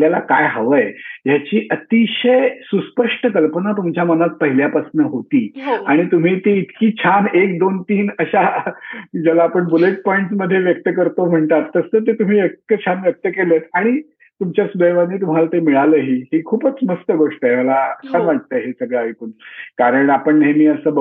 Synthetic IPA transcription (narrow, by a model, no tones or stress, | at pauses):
ljalakajɦəʋəjjat͡ɕiːʔət̪iɕəjsuspəʂʈəkəlpənat̪umt͡ɕjamənat̪̚pəɦiljapasnəɦot̪iːaɽ̃it̪um̤iːt̪iːt̪kiːt͡ɕʰanek̚d̪ont̪iːnəɕa | d͡ʑəlaːpəɳbuleʈ̚pɔiɳʈsməd̪ʱːjeʋjək̚t̪əkəɾt̪om̤əɳt̪at̪ːəsət̪̬et̪um̤iːek̚t̪ət͡ɕʰanʋjək̚t̪əkelət̪ʰaɽ̃i | t̪umt͡ɕjasud̪ʱəjʋaniːt̪um̤alat̪emiɭaləːɦiːɦikʰuːpət͡sməst̪əɡoʂʈəɦeməlaəsanʋaʈ̚t̪əɦesəɡɭaʋikuːnkaɾəɳapəɳɦemiːəsəːb